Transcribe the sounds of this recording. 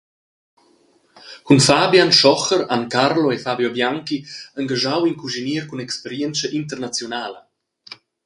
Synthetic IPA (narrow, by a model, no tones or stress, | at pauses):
kunfabjanʃɔχəɾankarloefabjobjaŋkiəŋɡaʒawiŋkuʒiniəɾkunɛkspɛɾjɛnt͡səʔint̪ərnat͡sjonaːlə